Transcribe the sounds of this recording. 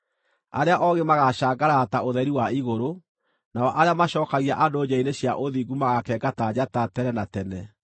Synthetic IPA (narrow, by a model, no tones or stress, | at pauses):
a̰ɾeaʔɔɣemaɣaɕaːɡaɾataoðɛɾiwaiɣoɾo | naɔʔaɾeamaɕɔːkaɣiaʔandoːd͡ʑaineɕjaʔoðiɡumaɣakɛɡatad͡ʑatatɛnɛnatɛnɛ